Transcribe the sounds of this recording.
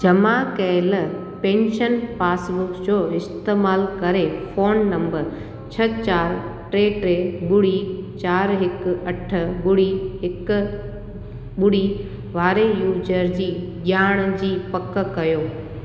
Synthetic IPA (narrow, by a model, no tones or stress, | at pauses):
d͡ʑɐmakɛɪl | pẽːnʃənpaːsbʊkd͡ʑoːɪst̪eːmaːlkɐɾefoːnːɐ̃mbəɾ | t͡ɕʰɐt͡ɕaːɾʈɾeːʈɾeːɓʊɽit͡ɕaːɾɦɪkɐʈʰə̆ɓʊɽiɦɪk̆ | ɓʊɽ̤i | ʋaːɾejuːd͡ʑəɾd͡ʑiːʄaːɽ̃d͡ʑiːpɐkə̆kɐjoː